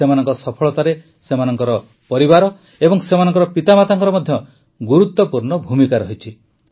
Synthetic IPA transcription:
semanɔŋkɔsɔpʰɔɭɔt̪aɾe | semanɔŋkɔɾɔ | pɔɾibaɾɔ | ebɔŋsemanɔ̃ŋkɔɾɔpit̪amat̪aŋkɔɾɔmɔd̪ʱjɔ | ɡuɾut̪ːɔpuɾnɔbʱumikaɾɔɦit͡ʃʰi

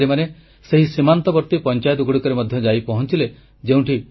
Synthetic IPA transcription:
ɾimane | seɦisimant̪ɔbɔɾt̪ipɔnt͡ʃajɔt̪uɡɽikɔɾemɔd̪ʱjɔd͡ʒajpɔɦɔnt͡ʃile | d͡ʒeũʈi

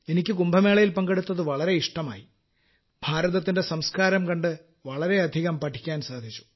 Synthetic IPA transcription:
e̞nikʲːɨkumbʱɐme̞ːɭɐjilpɐŋɡeɽut̪ːɐðɨʋɐɭɐɾe̞iʂʈɐma̰ːji | b̥ʱaːɾɐðɐt̪̬ːinde̞sɐmskaːɾɐmkɐɳɖɨ | ʋɐɭɐɾe̞ɐd̪ʱiɣɐmpɐʈʰi̥kʲːaːnsaːd̪ʱit͡ɕːu̥

